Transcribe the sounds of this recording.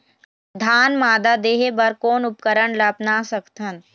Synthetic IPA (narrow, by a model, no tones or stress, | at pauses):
d̪ʱaːnmaːd̪ad̪eːɦebɐɾkoːnʊp̚kəɾəɳlɐpnaːsəkt̪ʰən